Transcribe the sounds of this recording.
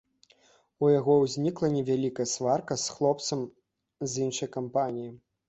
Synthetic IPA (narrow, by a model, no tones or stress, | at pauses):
ujaɣɔwzʲnʲiklˠɐnʲɛvʲalʲikɐjɐsvarkɐsxlˠɔpt̪sɐm | zʲinʂɐjkampanʲiji